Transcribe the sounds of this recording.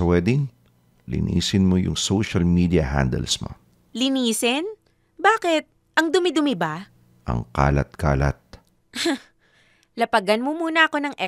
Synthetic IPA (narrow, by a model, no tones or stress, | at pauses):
ɐwɛd̪ɪŋ | lɪ̰nḭːsɪnmojʊŋsowʃɐlmiːd̪iɐha̰nd̪ɛ̰lsmo̰ | lɪniːsɪn | baːkɪt̪̚ | ʔɐŋd̪ʊmɪd̪ʊmɪba | ʔɐ̰ŋka̰ːlɐ̰t̪̚ka̰ːlɐ̰t̪̚ | lɐpɐɡɐnmomuːnɐʔɐko̞nɐŋʔɛ